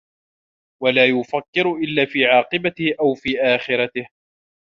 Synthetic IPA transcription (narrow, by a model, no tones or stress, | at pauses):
walaːjʊfakːɪɾʊʔɪlːaːfiːʕɑːqɨbat̪ɪhʔawfiːʔaːxɪɾˤɑt̪ɪh